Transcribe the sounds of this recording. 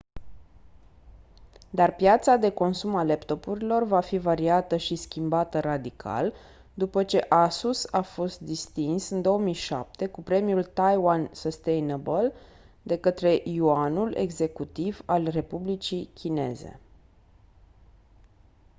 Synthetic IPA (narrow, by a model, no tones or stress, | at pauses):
d̪arpjat̪sad̪e̞ko̞nsumale̞pt̪o̞puɾilo̞rvafivaɾiat̪əʃiskʲimbat̪ərad̪ikʰa̰l | d̪upət͡ʃe̞ʔasusafo̞st̪̚d̪ist̪insɨnd̪o̞wəmijʃa̰p̚t̪e̞kupɾe̞mijult̪ajwansost̪ejnebəl | d̪e̞kət̪ɾe̞ʔijuanule̞̰ɡze̞kut̪ivalre̞publit͡ʃikʲʰine̞ze̞̰